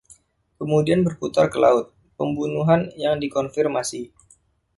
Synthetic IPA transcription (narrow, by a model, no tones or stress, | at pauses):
kəmudianbərput̪arkəla̰ʊt̪̚ | pəmbunuɦanjaŋdikɔnfirmasi